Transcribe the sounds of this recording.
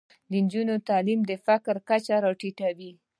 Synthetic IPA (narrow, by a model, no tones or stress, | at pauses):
d̪ənd͡ʒunot̪ɑlimd̪əfakɾkat͡ʃaɾɑʈiʈawi